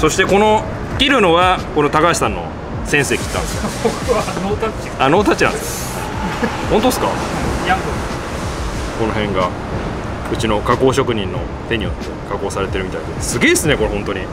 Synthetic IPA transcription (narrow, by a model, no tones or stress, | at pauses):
so̞ɕi̥t̪e̞ko̞no̞ | kʲiɾɯ̟no̞βako̞no̞t̪akaɕi̥sãnːo̞̰ | sẽ̞ɰ̃se̞ːkʲi̥t̪ːãnd̪esj | not̪a | ano̞ːt̪̬at͡ɕːinã̰nes | ai | hont̪oesɨ̥ka̰jãŋɡo | ko̞no̞ɦẽ̞ŋɡa | ɯ̟t͡ɕino̞kako̞ːɕo̞kɯ̟ɲ̟ĩnːo̞̰ | t̪e̞ɲ̟ijo̞̰t̪ːe̞kako̞ːsaɾe̞t̪e̞ɾɯ̟mʲit̪aid̪e̞sɨɡʲe̞ːd̪esɨne̞ko̞ɾehõ̞nt̪o̞ɲ̟i